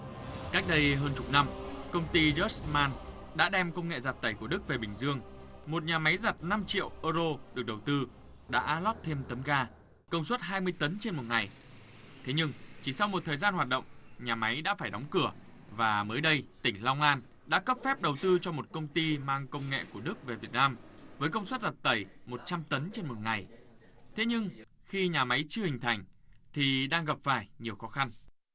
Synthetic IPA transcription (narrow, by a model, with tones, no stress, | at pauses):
ka˦˥k̚ɗə˧jɦəː˧nt͡ɕʊ˨˩k͡p̚na˧mkə˧wŋ͡mt̪i˧zə˦˥smaː˧n | ɗa̰ː˧˥ɗɛ˧mkə˧wŋ͡mŋḛ˧˨zaː˨˩t̚t̪ə˧˩jku˧˩əɗɨ˦˥k̚ve˨˩ɓï˨˩ŋ̟zɨ˧əŋmo˨˩t̚ɲaː˨˩ma˨˦jza˨˩t̚na˧mt͡ɕḭ˧˨əwʔəː˧zo˧ɗɨ˨˩ək̚ɗə˨˩wt̪ɨ˧ | ɗa̰ː˧˥lɔ˦˥t̚t̪ʰe˧mt̪ə˨˦mɣaː˧ | kə˧wŋ͡mswə˦˥t̚ɦaː˧jmɨ˧əjt̪ə˨˦nt͡ɕe˧nmo˨˩t̚ŋa˨˩j | t̪ʰe˨˦ɲɨ˧ŋt͡ɕi˧˩sa˧wŋ͡mmo˨˩t̪ʰəː˨˩jzaː˧nɦwaː˨˩t̚ɗə̰˧˨wŋ͡mɲaː˨˩ma˨˦jɗa̰ː˧˥faː˧˩jɗɔ˨˦wŋ͡mkɨ˧˩ə | vaː˨˩məː˨˦jɗə˧jt̪ï˧˩ŋ̟la˧wŋ͡mʔaː˧n | ɗa̰ː˧˥kə˦˥p̚fɛ˦˥p̚ɗə˨˩wt̪ɨ˧t͡ɕɔ˧mo˨˩t̚kə˧wŋ͡mt̪i˧maː˧ŋkə˧wŋ͡mŋḛ˧˨ku˧˩əɗɨ˦˥k̚ve˨˩vi˨˩ət̚naː˧mvəː˨˦jkə˧wŋ͡mswt̚za˨˩t̚t̪ə˧˩jmo˨˩t̚t͡ɕa˧mt̪ə˨˦nt͡ɕe˧nmo˨˩t̚ŋa˨˩j | t̪ʰe˨˦ɲɨ˧ŋ | xi˧ɲaː˨˩ma˨˦jt͡ɕɨ˧əhï˨˩ŋ̟t̪ʰa˨˩jŋ̟t̪ʰi˨˩ɗaː˧ŋɣə˨˩p̚faː˧˩jɲi˨˩əwxɔ˨˦xa˧n